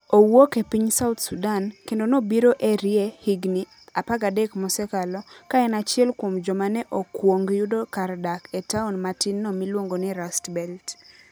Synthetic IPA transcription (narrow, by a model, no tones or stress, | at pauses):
owokepiɲsat̪sudankendonobiɾoʔeɾjehiɡni | apaɡadɛkmɔsɛkalɔkaɛnat͡ʃɪɛlkwomd͡ʒɔmanɛʔokwoŋɡjʊdokardakɛtaunmatinːɔmilwoŋɡonɪɾastbɛlt